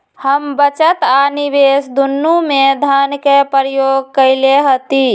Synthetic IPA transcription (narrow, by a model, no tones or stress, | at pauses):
həmbət͡ʃət̪anibesd̪unːumed̪ʱənkepəɾjoɡ̚kəɪleɦət̪i